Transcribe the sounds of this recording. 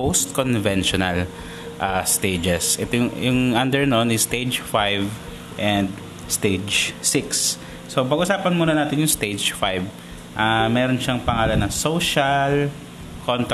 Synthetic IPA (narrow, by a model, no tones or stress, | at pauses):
owst̪̚konvɛnʃɔnɐl | ʔast̪ejd͡ʒɛsʔɛt̪ojʊjʊŋʔɐnd̪ɛɹnonɪst̪ed͡ʒfajv | ʔɛnd̪ | st̪ed͡ʒsɪksː | opɐɡ̚ʔʊsaːpɐnmuːnɐnaːt̪ɪnjʊŋst̪ed͡ʒfajv | ʔamɛːɾonʃaŋpɐŋaːlɐnɐsowʃɐl | kʰont̪